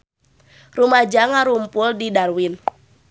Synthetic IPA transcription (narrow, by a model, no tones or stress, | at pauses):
rumad͡ʒaŋaɾumpʊldidarwin